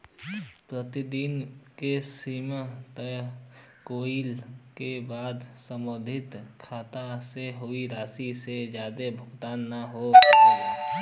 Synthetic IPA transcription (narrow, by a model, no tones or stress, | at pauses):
pɾət̪ɪd̪inkesiːmət̪ə | koːilkebaːd̪sə̃mod̪ʱɪt̪kʰaːt̪aseɦoiɾaːsised͡ʒjaːd̪ebʱʊɡt̪aːnːaɦoː